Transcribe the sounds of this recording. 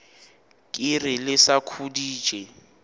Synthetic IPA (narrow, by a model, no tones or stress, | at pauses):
kʼɪrɪlɪsakʰudi̥ːʒ̥ʱʼɛ